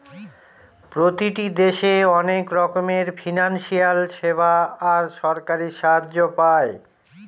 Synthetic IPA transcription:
pɾot̪iʈid̪eʃeɔnekɾɔkomeɾfinanʃijalʃebaːɾʃɔɾkaɾiʃaaːd͡ʑopae

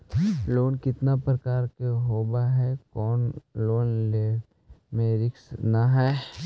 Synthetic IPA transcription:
loːnkɪt̪napɾɐkaːɾkeɦoːbaɦɛkɔːnloːnleː | mẽɾɪksnaɦɛː

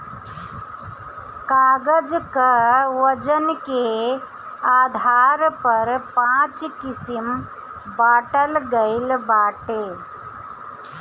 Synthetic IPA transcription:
kaːɡəd͡ʒkəʋəd͡ʒənke | aːd̪ʱaːɾpəɾpãːt͡ʃkɪsim | baːʈəlɡəɪlbaːʈeː

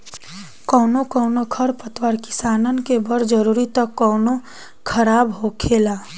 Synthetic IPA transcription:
kɔːnokɔʊnokʰəɾpət̪waɾkɪ̥saːnənkebəɾd͡ʒəɾuːɾit̪əkːɔːno | kʰəɾaːbɦokʰeːla

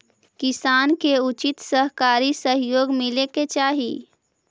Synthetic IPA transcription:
kɪsaːnkeʊt͡ʃɪt̪səɦkaːɾisəɦjoːɡmɪleket͡ʃaːɦḭː

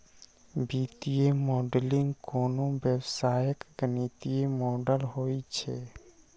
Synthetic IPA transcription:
biːt̪iemɔːɖlɪ̃ŋɡkoːnobəwsaːjəkɡənit̪iemɔːɖəlɦoit͡ʃʰḛ

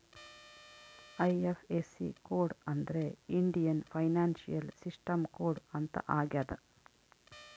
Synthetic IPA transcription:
ɐjefʰesḭkoːɖɐnd̪ɐɾeiɳɖijɐnpʰɐjnaːnʃḭjɐlsisʈɐmkoːɖɐnt̪ɐ̰ʔaːɡjaːd̪ɐ

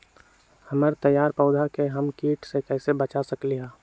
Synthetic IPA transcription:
həməɾt̪əjːaːɾpəʊd̪ʱakeɦɐmkiːʈsekɛːsebət͡ʃasəkliɦaː

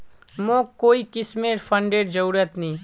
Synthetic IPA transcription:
mõːkoːikɪsmeɾpʰə̃ɳɖeːɖd͡ʒəɾuːɾət̪nĩː

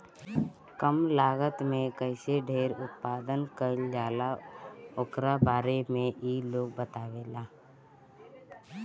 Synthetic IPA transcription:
kəmlaːɡət̪mẽkəɪseɖʱeːɾʊt̪̚paːd̪ənkəld͡ʒaːlaʊkɾabaːɾemẽiːloːɡ̚bət̪aːʋeːlaː

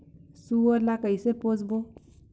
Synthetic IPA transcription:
suɔɾlakəjseposbo

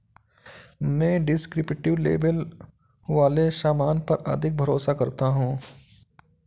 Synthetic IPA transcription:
mɛ̃ːɖɪskɾɪpʈɪʋlḛːbəl | ʋaːleʃaːmaːnpɐɾɐ̰d̪ʱɪk̚bʱɐɾoːsakɐɾt̪aɦũː

